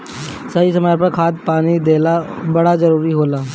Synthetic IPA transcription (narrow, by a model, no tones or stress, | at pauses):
saisəmaːɾpəɾkʰaːt̪̚paːnid̪eːlabɐɽazəɾuːɾiɦoːlaː